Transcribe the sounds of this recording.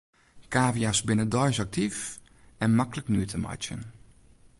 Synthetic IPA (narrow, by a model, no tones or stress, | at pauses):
kaːvijasbɪnədɔjsak̚tʰif | ɛnmakləknyətʰəma̰jt͡ʃjə̰n